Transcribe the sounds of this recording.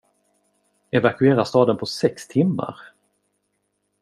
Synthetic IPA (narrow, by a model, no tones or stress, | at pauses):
ɛvakɵeːɾast̪ɑːd̪ənpʰɔsɛkst̪ʰɪmːa̰ɾ